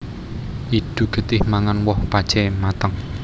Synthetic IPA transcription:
ʔid̪̥ṳɡ̥ə̤t̪ɪhmaŋanwɔhpḁt͡ʃɛmat̪əŋ

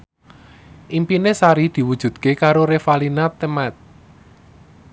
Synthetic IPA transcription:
ʔimpinesaɾid̪̥i̤wud̥ʒ̥ṳd̪̥̚kekaɾoɾefalinat̪əmat̪̚

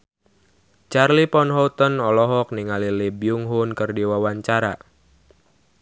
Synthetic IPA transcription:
t͡ʃarlipɔnɦɔut̪ənɔlɔɦɔk̚niŋalilibjuŋɦʊnkərdiwawaɲt͡ʃaɾa̰

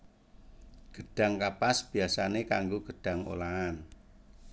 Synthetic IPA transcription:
ɡ̥əɖ̥a̤ŋkapasb̥i̤asanekaŋɡoɡ̥əɖ̥a̤ŋo̰laan

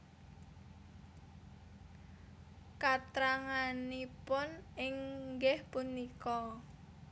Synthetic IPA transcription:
kat̪ɾaŋanipʊnɪŋɡɪhpunikɔ

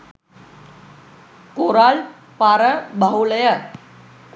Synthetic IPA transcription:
koɾal | paɾəbʱaɦuləjə

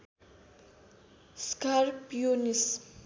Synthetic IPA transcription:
skarpjonis

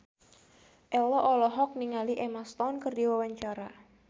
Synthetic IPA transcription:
ʔɛlɔʔɔlɔɦɔk̚niŋaliʔɛmast̪ɔnkərdiwawaɲt͡ʃaɾa

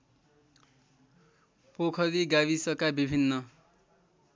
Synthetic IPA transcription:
pokʰʌɾiɡaβisʌkabibʱinːʌ

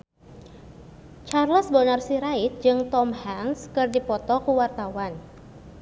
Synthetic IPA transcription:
t͡ʃarlɔsbɔnarsiɾaɪt̪̚d͡ʒɨŋt̪ɔmhanskɨrdipɔt̪ɔkuwart̪awan

